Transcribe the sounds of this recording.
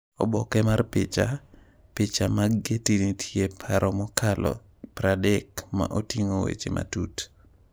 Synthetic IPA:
ɔ̰bɔkɛmarpɪt͡ʃa | pɪt͡ʃamaɡetinitʰjepʰaɾʔɔmɔkʰalɔ̰ | pɾadɛkma̰ʔotiŋowḛt͡ʃḛmʔa̰tut

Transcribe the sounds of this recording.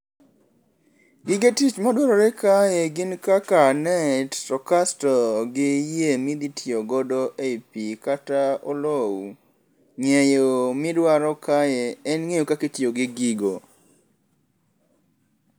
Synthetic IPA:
ɡɪɡetit͡ʃmadwɔɾɔɾekajeɡɪnkakanɛtɾɔkastɔɡɪjemid̪itʰioɡɔdɔʔepikataolow | ŋejomɪdwaɾɔkajeɛnŋejokaketjoɡɪɡiɡo

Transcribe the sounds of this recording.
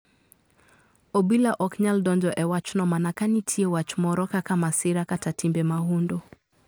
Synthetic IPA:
ɔbilaʔɔkɲaldɔnd͡ʒɔʔɛwat͡ʃnɔmanakanitʰiɛwat͡ʃumɔɾɔkakamasiɾakatatimbɛmaɦundɔ

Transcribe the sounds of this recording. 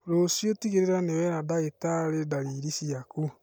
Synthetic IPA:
ɾosjotiɣeɾeɾanewɛɾadaɣetaɾedaɾiɾisiaku

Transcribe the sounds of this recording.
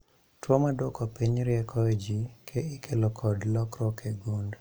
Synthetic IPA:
twomadɔkɔpiɲɾɪɛkʰɔed͡ʒikʰeɪkʰelɔkʰɔdlɔkɾɔkʰeɡund

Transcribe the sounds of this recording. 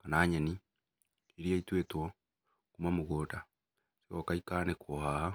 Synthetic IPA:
kanaɲeni | iɾiaitwetwɔ | kumamoɣota | siɔkaikanekwohaha

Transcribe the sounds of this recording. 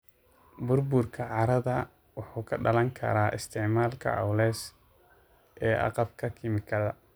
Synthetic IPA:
bʊrbʊrkʰɐʕɑɾɐðɐ | wɑħuːkʰɐɖɐlɐŋkʰɐ̰ɾaːʔɪst̪ʰɪʕmaːlkʰɐ̰ʔɑ̰wlɛːs | ʔɛːʔɑ̰qɑbkʰɐkʰɪmɪkʰɐðɐ̰

